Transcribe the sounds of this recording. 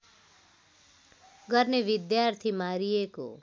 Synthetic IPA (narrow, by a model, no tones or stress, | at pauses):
ɡʌɾneʋɪd̪jaːɾt̪ʰimaːɾijeko̰